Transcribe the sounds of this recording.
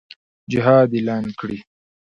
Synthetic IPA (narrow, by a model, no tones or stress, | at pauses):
d͡ʒɪɦɑːd̪elɑːnkɽi